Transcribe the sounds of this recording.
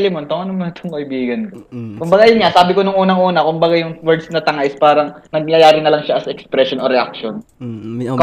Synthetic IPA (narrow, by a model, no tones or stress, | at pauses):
lɪmont̪oŋʔɐnomonɐt̪ʰoŋkɐʔɪbiːɡɐnkokʊmbɐɡaʔɐjonŋasaːbɪkonʊŋʔuːnɐŋʔuːnɐkʊmbɐɡajʊŋwɛɹd̪snɐt̪ɐŋaʔɪspaːɾɐŋnɐɡ̚ɲɐajaːɾɪnɐlɐŋʃaɐsɐɛkspɾɛʃonʔo̞ɾɛʔa̰k̚ʃon | k